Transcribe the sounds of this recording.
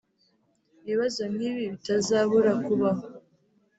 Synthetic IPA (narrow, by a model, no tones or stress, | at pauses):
βiβazo̞nhiːβiβitazaβuɾakuβaɦo